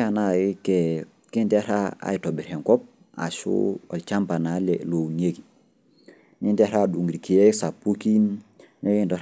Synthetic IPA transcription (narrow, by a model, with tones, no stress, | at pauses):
a˨na˦i˦ke˨ | ki˦nte˦a˦ɾa̰˦a̰˨ji˨to˨bi˨ɾe˨ŋko˦p̚ | a̰˨sṵ˦o̰˨lt͡ʃa˦mpa˨na˨lḛlo˨ɲe˦ki | ni˦nte˦a˦ɾa˦˨du˨ŋɡi˨ɾi˨ki˨e˦sa˨pu˦ki˦nne˦ki˦˨ndo˨